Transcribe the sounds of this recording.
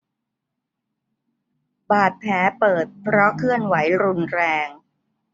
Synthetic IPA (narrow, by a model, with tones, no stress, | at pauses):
baː˨˩t̪̚pʰɛː˩˦pɤː˨˩t̪̚pʰɾɔ˦˥kʰɯ˥˩ənwa˩˦jɾu˧nɾɛː˧ŋ